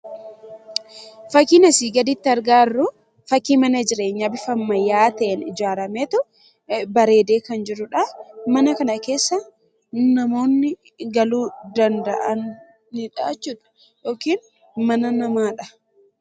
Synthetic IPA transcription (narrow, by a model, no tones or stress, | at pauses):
fɐkːinɐsiːɡɐd̪ɪt̪ːɪɐɾɡaːrːʊ | fɐkːiːmɐnɐd͡ʒɪɾe̞ːɲːɐbɪfɐmːɐjaːt̪eːnɪd͡ʒaːɾɐmeːt̪ʊ | bɐɾe̞ːd̪e̞ːkɐnd͡ʒɪɾʊᶑɐmɐnɐkɐnɐke̞ːsːɐ | nɐmo̞ːnːɪ | ɡɐluːd̪ɐnd̪ɐ̰ʔɐnː | ɪᶑaːt͡ʃːut̪ɐ̥ | joːkiːn | mɐnɐnɐmaːᶑɐ̥